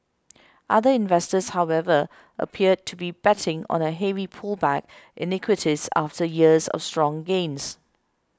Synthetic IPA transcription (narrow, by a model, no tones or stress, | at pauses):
ʔaðəɪ̃nvɛstəshaʊɛvə | ʔə̰pʰiəd̚tʰubib̥ɛtʰɪ̃ŋɔ̰̃nəɦɛvipʰulˠbæk̚ʔɪnɪkʰwɪtʰiza̰ftəjiəzɔ̰fstɹ̥ɔ̃ŋɡẽns